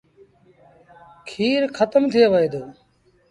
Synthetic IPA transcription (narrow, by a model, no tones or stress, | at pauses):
kʰiːɾkʰət̪əmt̪ʰɪjeʋəeːd̪oː